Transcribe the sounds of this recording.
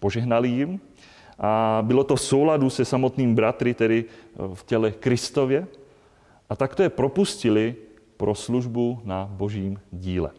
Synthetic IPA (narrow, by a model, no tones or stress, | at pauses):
poʒɛɦnalijim | ʔabɪlot̪ofsowladusɛsamot̪niːmbɾat̪ɾɪt̪ɛdɪfcɛlɛkɾɪst̪ovjɛ | ʔat̪akt̪ojɛpɾopuscilɪ | pɾosluʒbunaboʒiːmɟiːlɛ̰